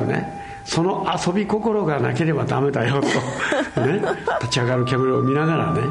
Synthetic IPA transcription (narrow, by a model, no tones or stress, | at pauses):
ɯne̞̰ | so̞no̞ʔaso̞bʲiko̞ko̞ɾo̞ɡana̰ke̞ɾe̞bad̪ame̞d̪ajo̞t̪onet̪at͡ɕiaɡaɾɯ̟kʲamɯɾɯːmʲinaɣaɾane̞̰